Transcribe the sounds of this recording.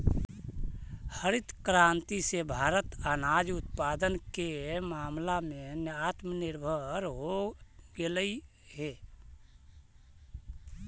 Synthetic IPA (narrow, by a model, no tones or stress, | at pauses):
həɾɪt̪kɾãːnt̪isebʱaːɾət̪aːnaːd͡ʒʊt̪paːd̪ənkemaːmlamẽnaːt̪mənɪɾbʱəɾɦoɡeləi | ɦe